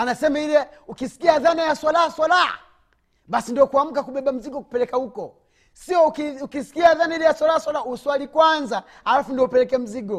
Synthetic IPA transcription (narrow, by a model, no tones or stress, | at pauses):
anasɛmailɛukisi̥kiaðanajaswalahaswalaha̰ | ɓasindiɔkuam̩kakuɓɛɓam̩ziɡɔku̥pɛlɛkahukɔ | siɔkiukisi̥kiaðanailɛjaswalaaswalauswalikwanza | alafundiɔupɛlɛkɛːm̩ziɡɔ